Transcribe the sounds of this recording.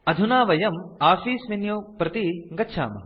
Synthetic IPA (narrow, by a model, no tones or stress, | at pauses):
ɐd̪ʱunaːʋɐjɐmaːfiːsʋinjoːpɾɐt̪iɡɐtːʃʰa̰ːmɐ̰